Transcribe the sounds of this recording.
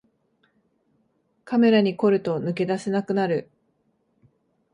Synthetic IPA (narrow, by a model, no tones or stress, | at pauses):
kame̞ɾaɲ̟iko̞ɾɯ̟t̪o̞nɯ̟k̬e̞d̪ase̞nakɯ̟naɾɯ̟